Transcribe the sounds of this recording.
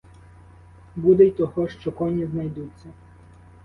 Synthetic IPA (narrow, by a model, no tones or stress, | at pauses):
bud̪ejt̪ɔɦɔʃt͡ʃɔkɔnʲiznɐjd̪ut͡sʲːɐ